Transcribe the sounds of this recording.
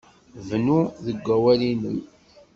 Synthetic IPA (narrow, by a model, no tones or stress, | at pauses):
vnuðəɡʷːæwælinəm